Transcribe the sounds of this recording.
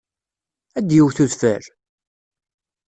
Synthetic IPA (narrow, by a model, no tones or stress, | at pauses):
æd̪jiwθuðfəɾ